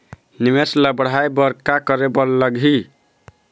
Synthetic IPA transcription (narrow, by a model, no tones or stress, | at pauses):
nimesləbəɽ̤ajbəɾkakəɾebəlləɡi